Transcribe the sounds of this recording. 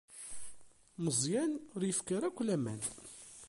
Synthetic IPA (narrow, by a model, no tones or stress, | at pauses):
məzˤjænʊɾjəfkaɾækʷːlæmæ̰n